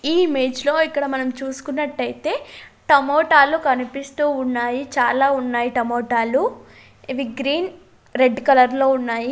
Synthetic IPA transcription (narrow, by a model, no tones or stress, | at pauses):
iːime̞ːd͡ʒlo̞ːikːɐɽɐmɐnɐmt͡ʃuːsu̥kunːɐʈːɐjit̪e̞ːʈɐmoːʈaːlukɐnipist̪uːnːaːjit͡ʃaːlaːunːaːjiʈɐmoːʈaːlu | ʋiɡɾiːn | ɾe̞ɖkɐlɐɾlo̞ːunːaːji